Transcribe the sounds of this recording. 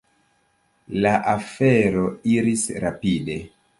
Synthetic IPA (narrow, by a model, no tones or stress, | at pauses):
laʔafeɾo̞iɾisɾapide̞